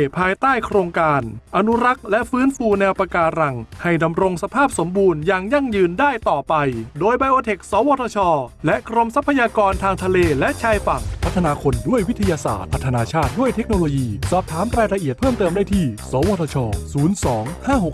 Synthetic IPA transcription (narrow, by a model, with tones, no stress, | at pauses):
pʰaː˧jt̪aː˥˩jkʰɾoː˧ŋkaː˧nʔa˧nu˦˥ɾa˦˥k̚lɛ˦˥ʔfɯː˦˥nfuː˧nɛː˧wpa˧kaː˧ɾa˨˩ŋha˥˩jda˧mɾo˧ŋsa˧pʰaː˥˩p̚so˩˦mbuː˧njaː˧˩ŋja˥˩ŋjɯː˧ndaː˥˩jt̪ɔː˨˩pa˧jdoː˧jba˧jʔoː˧t̪ʰe˨˩k̚sɔː˨˦wɔː˧t̪ʰɔː˧t͡ɕʰɔː˧lɛ˦˥ʔkʰɾo˧msa˦˥pʰːa˧jaː˧kɔː˧nt̪ʰaː˧ŋt̪ʰa˧leː˧lɛ˦˥ʔt͡ɕʰaː˧jfa˨˩ŋpʰa˦˥t̪ʰːa˧naː˧kʰo˧ndu˥˩əjwi˦˥t̪ʰːa˧jaː˧sa̰ː˨˩t̪̚pʰt̪ʰːa˧naː˧t͡ɕʰaː˥˩t̪̚du˥˩əjt̪ʰe˦˥k̚noː˧loː˧jiː˧sɔː˨˩p̚t̪ʰaː˩˦mɾaː˧jɾa˧ʔi˨˩ət̪̚pʰɤː˥˩mt̪ɤː˧mdaː˥˩jt̪ʰiː˥˩sɔː˩˦wɔː˧t̪ʰɔː˧t͡ɕʰɔː˧suː˩˦nsɔː˩˦ŋhaː˥˩ɦo˨˩k